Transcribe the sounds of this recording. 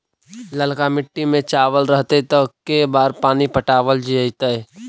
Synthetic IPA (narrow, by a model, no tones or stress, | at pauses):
ləlkamɪʈːimẽt͡ʃaːʋəlɾəɦt̪et̪əkːebaːɾpaːnipəʈaːʋəld͡ʒiəjt̪ə